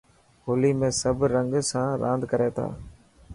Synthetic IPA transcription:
ɦoːliːmẽːsəbɾəŋɡsãːɾʔã̰ːnd̪kəɾeːt̪ʰa̰ː

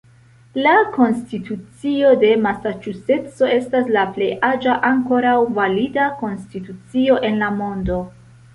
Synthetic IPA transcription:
lako̞nstitut͡sio̞de̞masat͡ʃuse̞t͡so̞e̞staslaple̞jad͡ʒaʔaŋko̞ɾawvalidako̞nstitut͡sio̞ʔe̞nlamo̞ndo̞

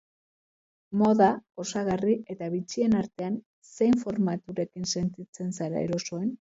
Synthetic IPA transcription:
mo̞ðao̞saɣariʔe̞t̪aβit͡sie̞naɾt̪e̞an | se̞jɱfo̞ɾmat̪uɾe̞kinse̞nt̪it͡se̞nsaɾa̰e̞̰ɾo̞so̞e̞n

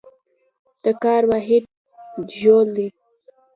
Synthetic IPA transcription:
d̪̥əkɑɾwɑɦɪd̪̚ | ʒold̪i

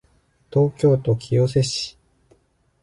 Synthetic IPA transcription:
t̪o̞ːkʲo̞ːt̪o̞kʲʰijo̞s̬e̞ɕi̥

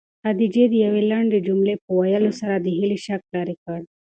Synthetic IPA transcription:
ad̪id͡ʒed̪əjawelaɳɖed͡ʒumlepəwajəlosaɾad̪əɦiliʃak̚lɑɾikaɽ

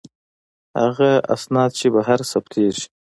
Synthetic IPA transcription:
ha̰ɣaa̰snɑd̪̚t͡ʃebaɦaɾsabt̪ʰeʒi̥

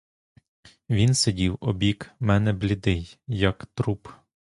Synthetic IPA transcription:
ʋʲinsedʲiwɔbʲikmɛnɛblʲɪd̪ɪjjɐkt̪ɾup

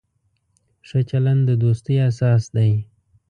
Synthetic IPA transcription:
ʂət͡ʃaland̪əd̪ost̪əjasɑsd̪aj

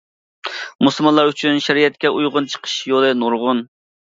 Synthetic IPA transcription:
muslˠmɑnlˠɑɾyt͡ʃʰynʃɛɾijɛt̪̚kʲɛujʁʊnt͡ʃʰə̥qʰə̥ʃjolˠɨnuɾʁʊn

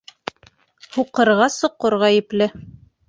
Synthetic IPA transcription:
huqɤ̆ɾʁɑsŏqːoɾʁæjɘ̆plɘ

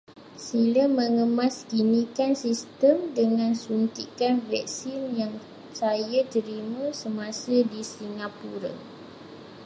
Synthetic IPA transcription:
silaməŋəmãskinĩkansist̪əmdəŋãnsunt̪ikanvɛ̰k̚sinjaŋ | sajat̪əɾimãsəmãsadisiŋapuɾa̰

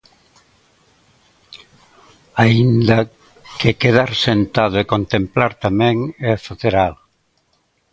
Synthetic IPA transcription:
aind̪ɐ | kekeð̞aɾsent̪aðʊekont̪emplaɾt̪amɛ̃ŋɛfaθeɾal

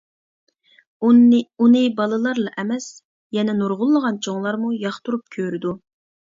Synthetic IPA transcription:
unɨbɑlˠɨlˠɑɾlˠɑʔɛmɛs | jɛnɛnoɾʁʊlˠːəʁɑnt͡ʃʰoŋlˠɑɾmujɑχt̪uɾup̚kʲʰøɾɪd̪u

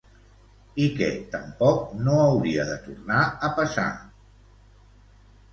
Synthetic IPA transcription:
ikɛt̪əmpɔk̚noəwɾiəðət̪urnaəpəsa̰

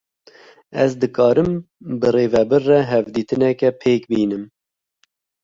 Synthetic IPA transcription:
ɛzd̪ɨkɑːɾɨmbɨreːvɛbɨrːɛɦɛvd̪iːt̪ɨnɛkɛpʰeːkbiːnɨm

